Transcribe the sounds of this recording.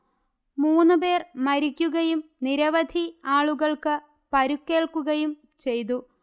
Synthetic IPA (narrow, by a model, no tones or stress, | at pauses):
muːnːɨpe̞ːrmɐɾikʲːuɣɐjumniɾɐʋɐd̪ʱiaːɭuɣɐɭkɨ | pɐɾukːe̞ːɭkːuɣɐjum | t͡ɕe̞jt̪̬u